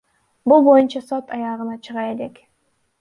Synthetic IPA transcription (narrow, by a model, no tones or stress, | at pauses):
bulˠbo̞junt͡ʃɑsot̪ʰɑjɑʁɯnɑt͡ʃʰɯʁɑjele̞k